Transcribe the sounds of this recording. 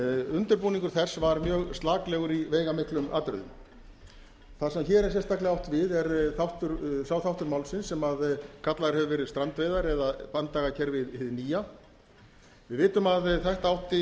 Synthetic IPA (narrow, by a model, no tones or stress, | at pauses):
ʏnt̪ʏɾpuːnĩŋkʏɾ̥θɛsvaɾmjœːɣst̪laːklɛːɣʏɾiveːjɣamɪhklʏma̰ːt̪ɾʏ̰ðʏ̰m | θasɛmçɛːɾɛɾ̥sɛnst̪aklɪawht̪vɪðɛɾθawht̪ʏɾsaːwθawht̪ʏɾmawlsɪnsːɛmaðkʰat̪laɾ̥hɛvʏvɛːɾɪðst̪ɾant̪veːjðaɾɛðapant̪aɣacʰɛɾvɪðɪðniːja | vɪðvɪːt̪ʏmaðθajht̪aawht̪ɪ